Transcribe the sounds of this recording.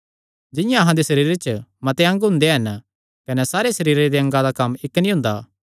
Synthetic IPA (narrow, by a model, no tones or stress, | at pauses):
d͡ʒɪ̃jãɐɦãd̪esɐɾiːɾet͡ʃəmɐt̪eɐ̃ŋɡɦʊ̃nd̪eɦɐn | kɐnɛsaːɾesɐɾiːɾed̪eɐ̃ŋɡad̪akɐmːɪkːnĩɦʊ̃ːnd̪aː